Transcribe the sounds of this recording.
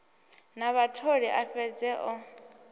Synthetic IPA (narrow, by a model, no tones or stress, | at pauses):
naβatʰoɺiʔaɸɛd͡zɛʔɔ